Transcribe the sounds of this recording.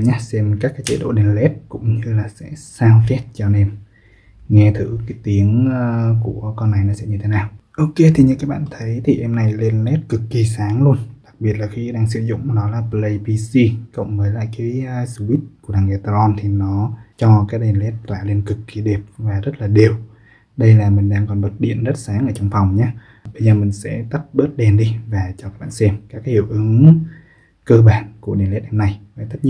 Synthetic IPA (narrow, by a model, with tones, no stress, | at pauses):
ɲa˦˥sɛ˧mkaː˦˥kːaː˨˦jt͡ɕḛ˧˦ɗo̰˧˨ɗe˨˩nlɛ˦˥t̚kʊ̰˧˥ŋ͡mɲɨ˧laː˨˩sɛ̰˧˥saː˧wfɛ˦˥t̚t͡ɕɔ˧ne˧m | ŋɛ˧t̪ʰɨ˧˩kaː˨˦jt̪i˨˦əŋəː˧ku˧˩əkɔ˧nːa˨˩jnɔ˨˦sɛ̰˧˥ɲɨ˧t̪ʰe˨˦naː˨˩wʔo˧ke˧t̪ʰi˨˩ɲɨ̰˧˨kaː˨˦˥k̚ɓa̰ː˧˨t̪ʰə˨˦jt̪ʰi˨˩ʔɛ˧mna˨˩jle˧nlɛ˦˥t̚kɨ˨˩kːi˨˩saː˨˦ŋlu˧ənɗa˨˩k̚ɓi˨˩ət̚laː˨˩xi˧ɗaː˧ŋsɨ˧˦zʊ̰˧˨ŋ͡mnɔ˨˦laː˨˩ple˧jpi˧si˧kə̰˧˨wŋ͡mməː˨˦jla̰ː˧˨jkaː˨˦jəː˧su˧wi˦˥t̚ku˧˩əɗaː˨˩ŋʔɛ˧˩t̪a˧zɔ˧nt̪ʰi˨˩nɔ˨˦t͡ɕɔ˧kaː˨˦j̚ɗe˧˩nlɛ˦˥t̚t̪wa̰ː˧˩le˧nkɨ˨˩kːi˨˩ɗe˨˩p̚vaː˨˩zə˦˥t̚laː˨˩ɗi˨˩əw | ɗə˧jlaː˨˩mï˨˩ŋ̟ɗaː˧ŋkɔ˨˩nɓəː˨˩t̚ɗḭ˧˨ənzə˦˥t̚saː˨˦ŋʔəː˧˩t͡ɕɔ˧wŋ͡mfa˨˩wŋ͡mɲaː˨˦ | ɓə˧jzəː˨˩mï˨˩ŋ̟sɛ̰˧˥t̪a˦˥p̚ɓəː˦˥t̚ɗe˨˩nɗi˧vaː˨˩t͡ɕɔ˧kaː˦˥k̚ɓa̰ː˧˨nsɛ˧mkaː˦˥khḭ˧˩əwʔɨ˨˦ŋ | kəː˧ɓaː˧˨nku˧˩əɗḭ˨˧˩ənlɛ˦˥t̚ɗɛ˧na˨˩jvaː˨˩jt̪ə˦˥t̚ɲḭ˧˨